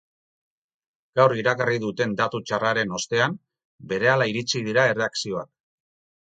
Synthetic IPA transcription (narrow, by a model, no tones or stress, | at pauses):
ɡ̥awriɾakariðut̪e̞nd̪at̪ut͡ʃaraɾe̞no̞st̪e̞am | be̞ɾe̞alaiɾit͡sið̞iɾae̞re̞aksio̞ak̚